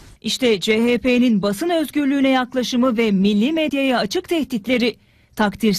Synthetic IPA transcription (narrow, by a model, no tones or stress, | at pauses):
ʔiʃt̪ʰɛd͡ʒeɦeːpʰeninbasɯnø̞zɟyɾlʲyːnɛjaklˠaʃɯmɯvɛmilʲːiːmed̪jajaat͡ʃʰɯkt̪ʰɛht̪it̪lʲe̞ɾi | t̪ʰakt̪ʰiɾ